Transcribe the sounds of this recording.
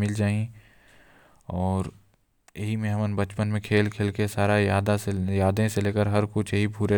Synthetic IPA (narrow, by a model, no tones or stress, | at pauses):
mɪld͡ʒaːĩ | ɔːɾ | jɐɦimẽɦmənbɐt͡ʃpənmẽkʰeːlkʰeːlkesaːɾajaːd̪asejaːd̪ẽseleːkəɾɦɐɾkʊt͡ʃʰjəɦibʱuɾe